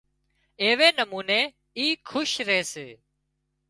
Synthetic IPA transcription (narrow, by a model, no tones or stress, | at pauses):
eːʋeːnəmuːneː | iːkʰʊʃɾeːseː